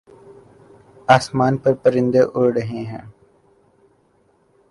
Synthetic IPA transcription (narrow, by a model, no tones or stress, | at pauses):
aːsmaːnpəɾpəɾɪ̃nd̪eʔʊɾɽəɦẽːɦɛ̃ː